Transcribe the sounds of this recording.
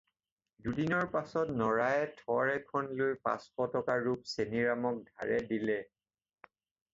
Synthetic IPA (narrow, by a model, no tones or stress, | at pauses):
dudinɔɹpasɔtnɔɹajɛtʰɔɹɛkʰɔnlojpa̰sxɔtɔkaɹup̚seniɹamɔk̚dʱa̰ɹɛdilɛ